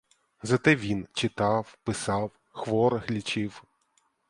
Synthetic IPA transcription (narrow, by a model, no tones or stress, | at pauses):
zɐt̪ɛʋʲint͡ʃɪt̪ɑwpɪsɑw | xʋɔɾɣlʲit͡ʃɪw